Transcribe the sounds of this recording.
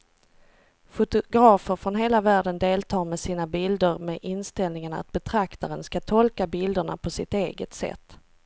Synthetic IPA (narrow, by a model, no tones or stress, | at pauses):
fʊt̪ʊɡɾɑːfəɾfɾɔnɦeːlavæːɖənd̪eːlt̪ʰɑːɾmɛsiːnabɪld̪əɾmɛʔɪnst̪ɛlnɪŋana̰t̪̚bɛt̪ʰɾakt̪aɾənskat̪ʰɔlkabɪld̪əɳa̰pʰɔsɪt̪eːɡət̪sɛ̰t̪ː